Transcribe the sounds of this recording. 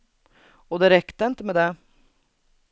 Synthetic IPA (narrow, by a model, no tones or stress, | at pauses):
ɔd̪ɛɾɛkt̪əɪnt̪əmɛd̪ɛ